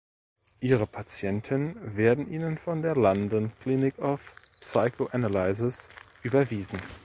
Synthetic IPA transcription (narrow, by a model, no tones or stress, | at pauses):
ʔiːʁəpʰat͡sjɛntʰɪnnnveːɐdn̩ʔiːnənfɔndeːɐlandənkl̥iːnɪkaʊf | saɪkʰoʔanalaɪzɪsʔyːbɐviːzn̩